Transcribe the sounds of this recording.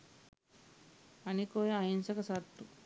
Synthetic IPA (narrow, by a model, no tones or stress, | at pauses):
anikojaɦinsakasaɾt̪u